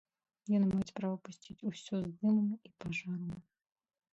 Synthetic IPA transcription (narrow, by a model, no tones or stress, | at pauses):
jɔnmajt͡sʲpɾavɐpusʲt͡sʲit͡sʲusʲɔzd̪ɨmɐmipaʐaɾɐmʲ